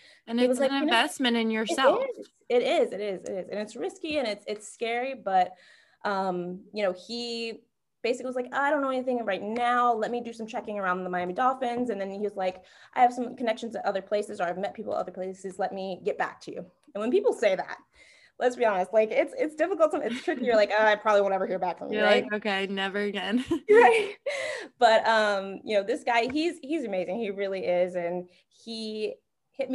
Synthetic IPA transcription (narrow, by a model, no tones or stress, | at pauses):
ɨ̃niwʌzlaɪɨ̃vɛsmɨ̃ñɨ̃njə˞sɛz̥ | ɪɾɪzɨɾɪzɪ̰ɾɪzɨ̰̃nɨtsɹɪskiɨ̃ñɨtsɪtskɛɹibʌt̚ | ʔʌ̃mjɨñoʊi | b̥eɪsɨkliwʌzlaɪkoaɪɾõʊ̃nːoʊɛ̃niθɪ̃ŋɹaɪtⁿnaʊlɛt̚midɨsʌ̃mt͡ʃʰɛkɪ̃ŋə˞ãʊ̃nðəmaɪæ̃midɑfɨ̃nzɨ̃nðɨ̃niwʌzlaɪk | ʔaɪɨv̥sʌ̃mkʰənɛkʃn̩z̥tʰɨʔʌðə˞pʰl̥eɪsɨzə˞aɪvmɛt̚pʰipl̩ˠə̰ʌ̰ðə˞pʰl̥eɪsɨzlɛt̚miɡɛt̚b̥æ̰k̚tʰɨjʉ̰ | ɨ̃nwə̃npipl̩ˠseɪðæ̰t̚ | lʔətsb̥iɑnəst̚ˡlaɪkɪtsɪtsd̥ɪfəkl̩ˠtsʌ̃ɨtstʰɹ̥ɪkijə˞laɪkoaɪpʰɹ̥ɑbliõnɛvə˞hiɹbækfɹʌ̰̃mjlaɪkoʊkʰeɪnɛvə˞ɨɡɛ̃nɹaɪt̚b̥ʌtʌ̃mjɨnoʊðɪsɡ̥aɪiz̥hizɨmeɪzɪ̃ŋiɹɪlˠiɪzɨ̃n | i | hɪt̚m